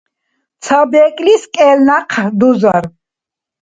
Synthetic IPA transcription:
t̪sʰabɛkʼliskʼɛlnaqʰd̪uzaɾ

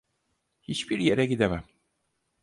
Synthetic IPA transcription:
hit͡ʃbiɾjeɾɛɟid̪emæm

